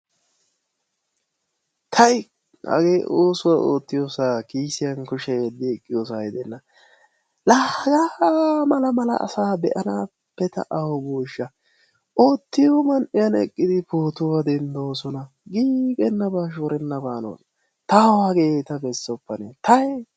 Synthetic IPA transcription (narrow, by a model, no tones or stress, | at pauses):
t̪ʰɐj | hɐ̰ɡeːʔoːsʊwao̰ːt̪ːɪjosaːkiːsɪjɐnkʊʃɛd̪ɪɛkʼːɪjoːs̬aːjɪd̪ɛnːɐ | laɡaːwaːmɐlɐmɐlɐ̰ʔɐ̰saːbɛ̰ʔɐnaː | pːɛt̪ɐ̰ʔɐwɔboːʃːɐ | ʔo̞ːt̪ːɪjomɐnʔɪjɐnɛkʼːɪd̪ɪpoːt̪ʊwɐd̪ɛnd̪oːsɔnɐ | ɡiːkʼɛnːɐbaːʃ̬oːɾɛnːɐbaːno̰ːn | t̪ɐɐɡeːt̪ɐbɛsːɔpːɐnet̪ɐj